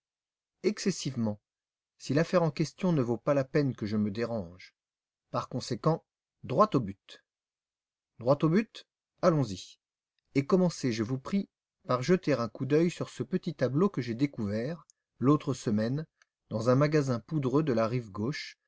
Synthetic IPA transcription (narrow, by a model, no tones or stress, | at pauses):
ɛksɛsivmɑ̃ | silafɛʁɑ̃kʲɛst̪jɔ̃nəvopalapɛnkəʒəməd̪eʁɑ̃ʒ | paʁkɔ̃sekɑ̃ | d̪ʁwat̪obyt̪ | d̪ʁwat̪obyt̪ | alɔ̃zi | ekɔmɑ̃seʒəvupχi | paʁʒət̪eʁɛ̃kud̪œjsyʁsəpət̪it̪ablokəʒed̪ekuvɛʁ | lot̪χəsəmɛn | d̪ɑ̃zɛ̃maɡazɛ̃pud̪ʁød̪əlaʁivɡoʃ